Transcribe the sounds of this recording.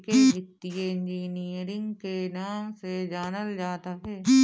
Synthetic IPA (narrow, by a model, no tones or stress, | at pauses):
keɦɪt̪ːijeɪ̃nd͡ʒiːniəɾɪ̃ŋɡkenaːmsed͡ʒaːnəld͡ʒaːt̪aɦɛː